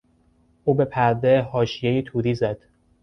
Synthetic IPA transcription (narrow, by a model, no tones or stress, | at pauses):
ʔuːbe̞pʰæɾd̪ehɒːʃijejit̪ʰuːɾiːzæd̪̥